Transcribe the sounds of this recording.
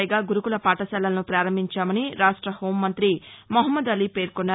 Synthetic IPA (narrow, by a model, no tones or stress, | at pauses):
jɡaːɡuɾukulɐpaːʈɐsɛːlːɐlɐnupɾaːɾɐmbʱiɲt͡ʃaːmɐniɾaːʂʈɾɐho̞ːmːɐnt̪ɾimoɦɐmːɐd̪ɐliːpe̞ːɾkonːa